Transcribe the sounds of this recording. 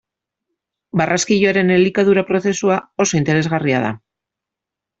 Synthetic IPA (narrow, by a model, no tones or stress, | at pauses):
barʔaskiʎoaɾe̞nelikaðuɾapɾo̞θe̞suao̞so̞int̪e̞ɾe̞zɣaria̰ð̞a̰